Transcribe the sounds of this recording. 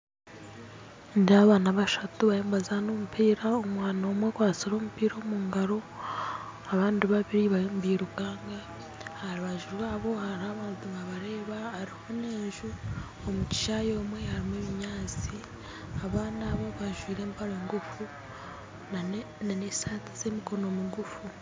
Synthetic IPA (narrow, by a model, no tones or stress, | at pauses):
ndiaβaːnaβaʃatuβaeːmbazanoːmupʰiːɾaomwaːnoːmwekwaːt͡siɾo̞ːmupiːɾo̞ːmuːŋɡaɾo̞ | aβaːndiβaβiɾiβambiɾuɡaːŋɡa | haɾiβaʒuɾwaːβo̞haɾaβanzimaβaɾe̞ːβaːɾihoneːɲʒu | omuci̥ʃajo̞ːmwe̞haɾimweβiɲaːt͡si | aβaːnaβo̞βaʒwiːɾe̞ːmpaɾeːŋɡufu | n | nanesaːti̥z̥e̞ːmiko̞no̞miɡufu